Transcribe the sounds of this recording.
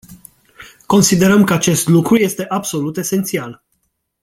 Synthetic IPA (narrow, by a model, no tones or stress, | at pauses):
ko̞nsid̪e̞ɾəmkəat͡ʃe̞st̪lukɾuje̞st̪e̞ʔabso̞lut̪e̞se̞nt̪sial